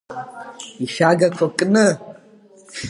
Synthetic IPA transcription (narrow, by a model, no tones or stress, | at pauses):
iʃaːɡɐkʷʰɐkʼnɨ